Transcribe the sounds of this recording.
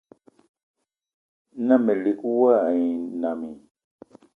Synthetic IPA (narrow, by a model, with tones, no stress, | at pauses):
nã˦mẽ˨li˨ku˦wã˦˨ĩ˨nã˨mĩ˨